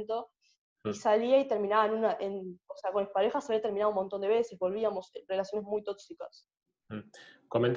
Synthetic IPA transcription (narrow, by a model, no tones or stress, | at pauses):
nt̪o̞ | isaliait̪eɾmĩnaβaenunaʔenoseakonespaɾexasaβiat̪eɾminaðumo̞nt̪ond̪eβe̞se̞zβo̞lβ̞iamo̞sre̞lasjo̞ne̞smujt̪o̞ksikas̩ | koment̪